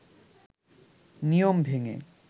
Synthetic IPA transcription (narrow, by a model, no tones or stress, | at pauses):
nijombʱeŋḛ